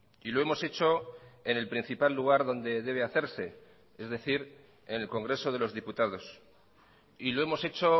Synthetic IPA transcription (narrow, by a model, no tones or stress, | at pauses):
ilo̞e̞mo̞se̞t͡ʃo̞e̞ne̞lpɾin̟θipalːuɣ̞aɾðo̞nd̪e̞ðe̞β̞e̞aθe̞ɾse̞ | e̞zðe̞θiɾ | e̞ne̞lko̞ŋɡɾe̞so̞ð̞e̞lo̞zðiput̪að̞o̞s | ilo̞e̞mo̞se̞t͡ʃo̞